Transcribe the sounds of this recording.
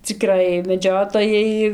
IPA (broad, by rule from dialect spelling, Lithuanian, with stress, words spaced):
t͡sʲɪˈkrɐɪ mʲɛˈd͡ʒʲoːtoːjɛɪ